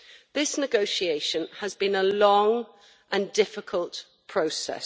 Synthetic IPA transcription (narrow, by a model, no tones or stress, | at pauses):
ðɪsnɪɡəʊʃieɪʃə̃nəzbĩnəlɒ̃ŋ | ʔə̃ndɪfɪkʰəlˠʔ | pʰɹ̥əʊsɛ̰